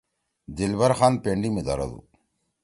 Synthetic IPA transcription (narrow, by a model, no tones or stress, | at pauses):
d̪ɪlbɐɾxaːnpeɳɖimed̪ɐ̰ɾɐ̰d̪ṵː